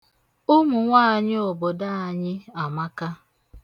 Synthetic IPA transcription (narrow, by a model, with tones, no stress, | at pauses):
ʊ˦mʊ˨ŋʷaː˦a˨ɲɪ˦o˨bo˨da˦a˨ɲɪ˦a˨ma˦ka˦